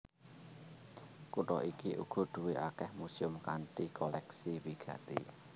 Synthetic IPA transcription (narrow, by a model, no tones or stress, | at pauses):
kuʈɔ̰ʔikiʔṵɡ̥ɔ̤ɖ̪̥ṳweʔakɛhmusiʊmkanʈikɔlɛksiwiɡ̥ä̤t̪i